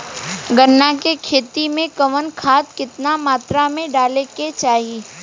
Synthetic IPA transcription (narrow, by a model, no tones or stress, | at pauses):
ɡənːakekʰeːt̪imẽkɐʋənkʰaːt̪̚kɪt̪namaːt̪ɾamẽɖaːleket͡ʃaːɦi